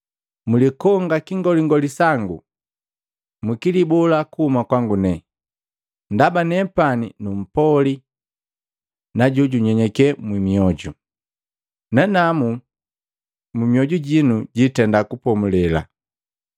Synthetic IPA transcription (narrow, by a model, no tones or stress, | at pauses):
mulikɔŋɡakiŋɡɔliŋɡɔlisaŋɡṵ | mukilibɔlakuhumakwaŋɡunɛ | ndabanɛpaninum̩pɔli | naɟuɟuɲɛɲɛkɛmwimiɔɟu | nanamu | mumiɔɟuɟinuɟitɛndakupɔmulɛla̰